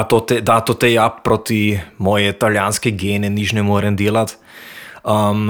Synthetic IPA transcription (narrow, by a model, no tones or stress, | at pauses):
t̪ot̪ɛd̪at̪ot̪ɛjappːɾoːt̪imɔːjɛit̪aljaːnskɛɡeːnɛnit͡ʃnɛmɔːɾɛmd̪eːlat̪ | əm